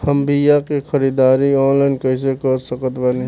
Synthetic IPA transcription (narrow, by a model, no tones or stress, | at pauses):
həmbijakixʰəɾid̪aːɾiɔ̃ːnlaɪnkəɪs̬ekəɾsəkət̪bəne